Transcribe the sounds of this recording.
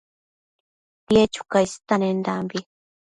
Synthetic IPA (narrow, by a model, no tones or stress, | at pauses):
pjet͡ʃu̥kajst̪anend̪ambi